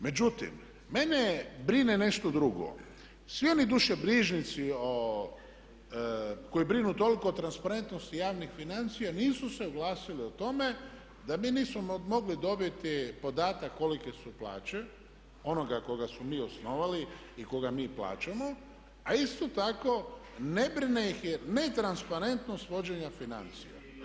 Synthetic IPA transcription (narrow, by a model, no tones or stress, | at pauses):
me̞d͡ʑut̪ḭmː | e̞nebɾinene̞ʃt̪o̞d̪ɾuɡo̰ | sʋio̞nid̪uʃebɾiːʒnit̪sio | ko̞jibɾinut̪o̞liko̞ːt̪ɾanspaɾe̞nt̪nost̪ijaːʋnixfinant̪sijaniːsuse̞uɡlaːsiliot̪o̞me̞ | d̪amiːniːsmomo̞ɡlid̪o̞bjet̪ipo̞d̪aːt̪akːolike̞supla̰ːt͡ɕe̞ | o̞no̞ɡako̞ɡasmomiːo̞sno̞ʋali | iko̞ɡamiːpla̰ːt͡ɕamo̞ | aist̪o̞t̪ako̞ne̞bɾinejixjene̞t̪ɾanspaɾe̞nt̪no̞st̪ʋo̞d͡ʑe̞ɲafina̰nt̪sḭja̰